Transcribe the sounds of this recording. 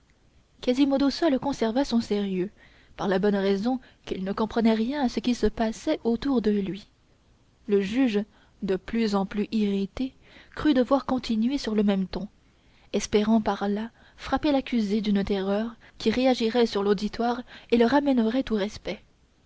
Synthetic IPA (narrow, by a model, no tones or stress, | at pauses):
kazimod̪osɔlkɔ̃sɛʁvasɔ̃seʁjø | paʁlabɔnʁɛzɔ̃ | kilnəkɔ̃pχənɛʁjɛ̃asəkʲisəpasɛʔot̪uʁd̪əlɥi | ləʒyʒ | d̪əplyzɑ̃plyʔiʁit̪e | kχyd̪əvwaʁkɔ̃t̪ʰinɥesyʁləmɛmt̪ɔ̃ | ɛspeʁɑ̃paʁla | fχapelakʲyzed̪ynt̪ɛʁœʁ | kʲiʁeaʒiʁɛsyʁlod̪it̪waʁeləʁamɛnəʁɛt̪uʁɛspɛ